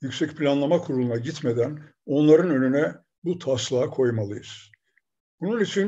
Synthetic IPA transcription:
jycʲsɛcpʰilʲanlˠamakʰuɾulˠunaɟit̪me̞d̪æno̞nlˠaɾɯnø̞nynɛ | but̪ʰaslˠaːkʰo̞jmalˠɯjɯz̥ | bununit͡ʃʰin

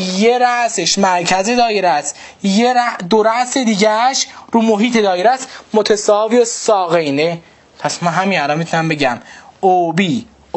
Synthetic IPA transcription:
jeɾæʔseʃmæɾcʰæze̞d̪ɒːjeɾæs | jeɾæd̪oɾæʔse̞d̪iːɟæʃɾuːmoɦiːt̪ʰe̞d̪ɒːjeɾæsmot̪ʰesɒːvijosɒːɣejne | pʰæsmænɦæminælɒnmit̪ʰunæmbe̞ɟæmobiː

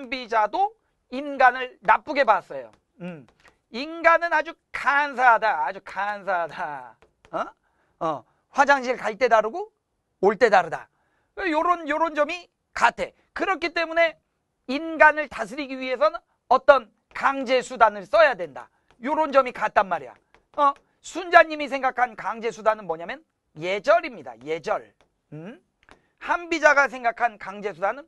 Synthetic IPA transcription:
ŋbid͡ʑado | inɡanɯɭnap͈uɡe̞bas͈ʌjo̰ | ɯm | inɡanɯnad͡ʑu | kansʰaɦadaːd͡ʑukans̬ʰaɦada | ʌ | ɸwad͡ʑaŋɕʰiɯɭkaɭt͈e̞daɾɯɡo | oɭt͈e̞daɾɯda̰ | wejoɾonjoɾond͡ʑʌmi | katʰe̞ | kɯɾʌkʰit͈e̞mune̞ | inɡanɯɭtas̬ʰɯɾiɡiɥiɦe̞s̬ʰʌnɯn | ʌt͈ʌn | kaŋd͡ʑe̞sʰudanɯɭs͈ʌjadwe̞nda̰ | joɾond͡ʑʌmikat̚t͈anmaɾija̰ | ʌ | sʰund͡ʑaɲːimis̬ʰe̞ŋɡakʰankaŋd͡ʑe̞sʰudanɯnmʌɲamjʌn | je̞d͡ʑʌɾimɲida̰je̞d͡ʑʌɭ | hambid͡ʑaɡas̬ʰe̞ŋɡakʰankaŋd͡ʑe̞sʰudanɯn

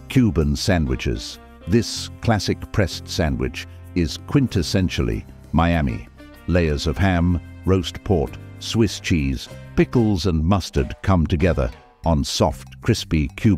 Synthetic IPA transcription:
kʰj̥ʉbɨ̃nsæ̃ndwɨt͡ʃɪ̰z̥ | ðɪskʰl̥æsɨk̚pʰɹ̥ɛstsæ̃ndwɨ̰t͡ʃ | ɪz̥kʰw̥ɪ̃ntʰɨsɛ̃nʃl̩ˠḭ | maɪæmḭ | leɪə˞zʌv̥hæ̃mɹoʊspʰɔɹtswɪst͡ʃʰiz̥pɪkl̩ˠzə̃nmʌstə˞dkʰʌ̃mtɨɡɛðə̰˞ | ʔə̃nsɔft̚kʰɹ̥ɪspikʰj̥ʉ

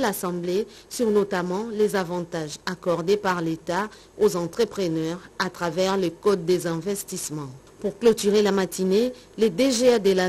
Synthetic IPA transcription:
lasɑ̃blesyʁnot̪amɑ̃lezavɑ̃t̪aʒakɔʁd̪epaʁlet̪a | ozɑ̃t̪χəpχənœʁat̪χavɛʁlekɔd̪ːezɛ̃vɛst̪ismɑ̃ | puʁklɔt̪yʁelamat̪ʰine | led̪eʒead̪əla

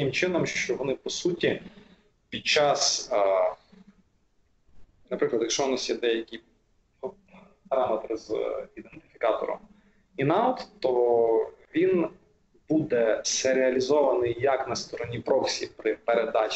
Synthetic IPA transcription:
ɪmt͡ʃɪnɔmʃt͡ʃɔʋɔnɪpɔsutʲi | pʲid̪̚t͡ʃɑs | nɐpɾɪklˠɐd̪jɐkʃɔnɔsʲtʲid̪ɛjɐkʲi | pɐɾɑmet̪ɾɪzid̪ent̪ɪ̥fʲikɑt̪ɔ̰ɾɔ̰m | inɑɔt̪t̪ːɔ | ʋʲin | bud̪ɛseɾeɐlʲizɔʋɐnɪjjɐknɐst̪ɔɾɔnʲipɾɔksʲḭpɾɪpeɾed̪ɑt͡ʃ

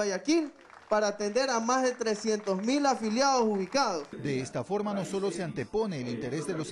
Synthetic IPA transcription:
ajakil | paɾaːt̪end̪e̞ɾamazðe̞t̪ɾe̞sje̞nt̪o̞zmilafiljaðo̞suβikaðosd̪e̞est̪afo̞ɾmano̞so̞lo̞seant̪e̞po̞ne̞ːlint̪e̞ɾe̞zðe̞los

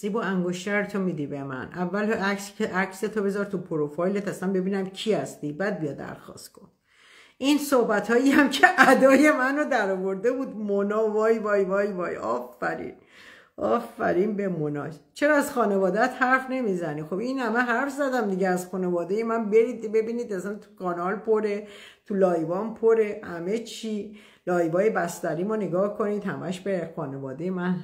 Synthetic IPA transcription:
z̥ibuæŋɡoʃt̪æɾet̪ʰomiːd̪ibemæ̰nʔævːælækseʔækset̪ʰobe̞zɒɾt̪ʰupʰoɾofɒjlet̪æsænbe̞biːnæmcʰihæst̪ibæd̪̚bijɒd̪ːæ̰ɾxɒ̰st̪kʰon | ʔinsohbæt̪ʰɒːjiæmcʰe̞ʔæd̪ɒːje̞mænod̪æɾɒːvo̞ɾd̪e̞buːd̪monɒːvɒːjvɒːjvɒːjvɒ̰ːjɒ̰ːfːæɾḭn | ʔɒːfːæ̰ɾiːnbe̞monɒ̰ːʃt͡ʃʰe̞ɾɒæzxɒːne̞vɒːd̪æt̪hæɾfne̞mizænixo̞binhæmeɦæɾfzæd̪æmd̪iɟeæzxunevɒːd̪ejemænbe̞ɾiːd̪be̞biːniːd̪æsænt̪ʰu̥kʰɒːnɒlpʰoɾe̞t̪ʰulɒːjvɒnpʰoɾe̞hæme̞t͡ʃʰi | lɒːjbɒːje̞bæst̪æɾiːmoneɡɒːhkʰo̞niːd̪hæ̰mæʃbexɒːne̞vɒːd̪ejemæn

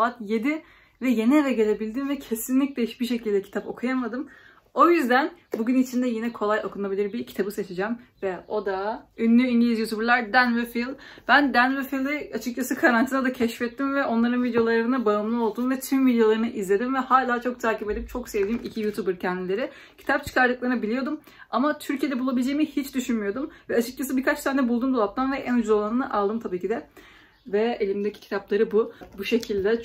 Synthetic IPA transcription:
aat̪je̞d̪i | vɛje̞nievɛɟe̞lʲe̞bilʲd̪invɛcʰe̞sinlʲic̚d̪ʲeiʃbiʃe̞cʰilʲd̪ɛcʰi̥t̪ʰapo̞̰kʰujamad̪ɯm | o̞jyzd̪ænbuɟynit͡ʃʰind̪ɛjinɛkʰo̞lˠajo̞kʰunabilʲiɾbiɾcʰi̥t̪ʰabɯset͡ʃʰid͡ʒæmvɛo̞d̪aynlʲyinɟʲlʲizjut̪ʰubɾlˠaɾd̪ænvɛfilˠ | b̥ænd̪ænvefilˠɯat͡ʃʰɯk̚t͡ʃʰasɯkʰaɾant̪ʰinad̪acʰɛʃfɛt̪ːimvɛo̞nlˠaɾɯnvid̪ejo̞lˠaɾɯɯnabaɯnlˠɯo̞lˠd̪uːnvɛt̪ʰymvid̪jo̞lˠaɾɯnɯʔizlʲe̞d̪imvɛhaːlʲaːt͡ʃʰo̞k̚t̪ʰaːcipe̞d̪ipt͡ʃʰo̞ksevd̪iːmicʰijut̪ʰubɯɾcʰɛnd̪ilʲe̞ɾɪ | cʰi̥t̪ʰap̚t͡ʃʰɯ̥kʰaɾd̪ɯklˠaɾɯnɯbilʲijo̞d̪um | amat̪ʰyɾcʰied̪ɛbulˠabilʲd͡ʒe̞jimihit͡ʃd̪yʃynmyjo̞d̪umvɛat͡ʃʰɯk̚t͡ʃʰas̬ɯbiɾkʰat͡ʃt̪ʰand̪ɛbulˠd̪uːmbulˠap̚t̪ʰanvɛʔænud͡ʒuzolˠanɯnɯʔalˠd̪ɯmt̪ʰabiːcʰid̪ɛ | vɛelʲimd̪ecʰi̥cʰi̥t̪ʰaplˠaɾɯbubuʃe̞cʰilʲd̪ɛ

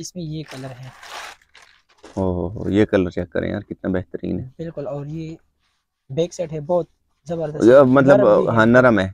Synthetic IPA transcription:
ɪsmẽjekɐləɾɦɛː | ɦoːɦoːɦo̰ːjekɐləɾt͡ʃaːkːɐ̰ɾḛ̃ja̰ːɾkɪt̪nabɛɦt̪əɾḭːnɦɛːbɪlkʊlɔːɾje | beːkseʈɦɛbɔːt̪̚ | zɐbəɾd̪əmɐt̪ləbɦãnɐɾəmɦɛː

